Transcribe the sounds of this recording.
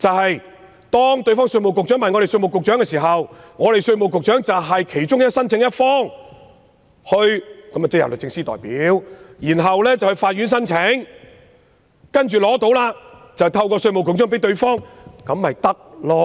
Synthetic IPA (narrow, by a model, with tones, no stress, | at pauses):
t͡sɐ˨whɐ˨j | t̪ɔː˥ŋt̪ɥfɔː˥ŋsɵ˧mo˨˩wkʊ˨k̚t͡ʃœː˨˥ŋmaː˨˩nŋɔ˨˧ɾe˨jsɵ˧ɥmo˨˩wkʊ˨k̚t͡ʃœː˨˥ŋɛː˧siː˨˩ɦɐ˨wŋɔː˨˧ɾe˨˩jsɵ˧ɥmo˨˩wkʊ˨k̚t͡ʃœː˨˥ŋt͡sɐ˨wɦɐ˨jkʰe˨˩jt͡ʃʊ˥ŋ˦˥sɐ˥nt͡sʰɪ˨˥ŋjɐ˥t̚fɔː˥ŋ | hɵ˧ɥkɐ˨˥mɐ˨t͡sɛ˥jɐ̰˨wlɵ˨t͡sɪ˧ŋsiː˥t̪ɔ̰ː˨˩jpiː˨˦˥wjiː˨˩nɦɐ˨wlɛː˥t͡sɐ˨whɵ˧jfaː˧t̚ɥyː˨˥ns̬ɐ˥nt͡sʰɪ˨˥ŋ | kɐ˥nt͡ʃyː˨lɔː˨˥t̪o˨˥wlaː˧ | t͡sɐ˨˩wt̪ʰɐ˧wkɔː˧sɵ˧ɥmo˨˩wkʰʊ˨˩ŋt͡ʃœː˥ŋpe˨˥jt̪ɵ˧ɥfɔː˥ŋkɐ˨˧˥mːɐ˨jt̪ɐ˥k̚lɔː˧